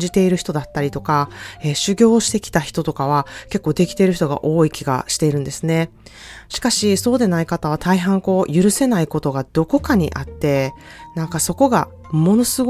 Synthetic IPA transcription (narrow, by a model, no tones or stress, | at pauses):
d͡ʑit̪e̞iɾɯ̟çi̥t̪o̞d̪at̪ːaɾʲit̪o̞kaeɕɨɡʲo̞ːɕi̥t̪e̞kʲi̥t̪açi̥t̪o̞t̪o̞kaβ̞ake̞kːo̞ːd̪e̞kʲi̥t̪e̞ɾɯ̟çi̥t̪o̞ɡa̰ʔo̞ːikʲiɡa̰ɕi̥t̪e̞iɾɯ̟̃nd̪e̞sɨne̞ | ɕi̥kaɕiso̞ːd̪e̞naikat̪aβ̞at̪ʰaiɦãŋko̞ːjɯ̟ɾɯ̟se̞naiko̞t̪o̞ɡad̪̥o̞ko̞kaɲ̟ḭʔat̪ːe̞ | nãŋkaso̞ko̞ɡa̰ | mo̞no̞sɨɡ